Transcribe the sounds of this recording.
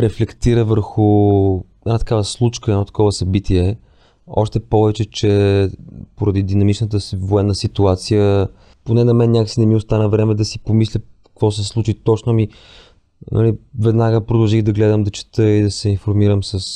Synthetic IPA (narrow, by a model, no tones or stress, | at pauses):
ɾɛflɛkt̪iɾəvəɾxʊ | ɛd̪nat̪ɐ̥kavəslˠut͡ʃkəɛdnɔt̪ɐ̥kɔvəsɐbit̪iɛ | ɔ̰ʃt̪ɛpɔvɛt͡ʃɛt͡ʃɛ | poɾɐd̪id̪inɐmit͡ʃnət̪əvoɛnːəsit̪uat̪sijə | ponɛnɐmɛnnʲɲʲakəsinɛmiʊst̪anəvɾɛmɛd̪ɐsipomislʲəkkvɔs̬ɛslˠut͡ʃit̪ɔt͡ʃnʊmi | nʔɐ̰livɛd̪naɡəpɾod̪ɐlˠʒiɣd̪ɐɡlɛd̪əmd̪ɐt͡ʃɛ̥t̪ɤid̪ɐsɛinfoɾmiɾəmsəs